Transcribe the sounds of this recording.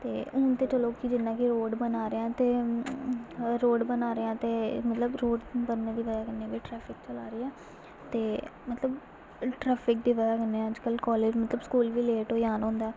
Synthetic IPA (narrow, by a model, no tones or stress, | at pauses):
t̪ḛːʊːnt̪eːt͡ʃəloːkɪd͡ʒɪnːãːkiɾoːɖbənaːɾeãːt̪eː | ɾoːɖbənaːɾeːãːt̪eːmət̪ləbɾoːɖbəɾneːd̪iːʋəd͡ʒaːkɪnːeːʋiːʈɾɛːpʰɪkt͡ʃəlaːɾiːɛː | t̪eːmət̪ləb | ʈɾɛːpʰɪk̚d̪iːʋəd͡ʒaːkənːeːəd͡ʒkəlkɔːleːd͡ʒmət̪ləbskuːlʋiːleːʈoːjaːnõːnd̪aː